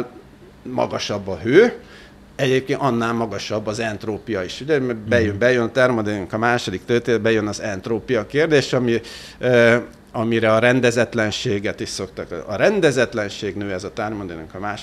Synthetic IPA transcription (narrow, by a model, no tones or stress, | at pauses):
mɒ̰ɡɒʃɒbːɒɦøː | ɛɟeːp̚keːnɒnːaːlmɒɡɒʃɒbːɒzɛnt̪roːpijɒiʃuɟɛmbɛjømbɛjønɒt̪ɛrmɒd̪eːnyŋkɒmaːʃo̞d̪ikt̪øːt̪ebɛjønɒzɛnt̪roːpijɒkeːrd̪eːʃɒmi | ɒmiɾɛɒɾɛnd̪ɛzɛt̪lɛnʃeːɡɛt̪iʃso̞kt̪ɒkɒɾɛnd̪ɛzɛt̪lɛnʃeːɡnøːɛzɒt̪ɛrmɒd̪eːnyŋkɒmaːʃ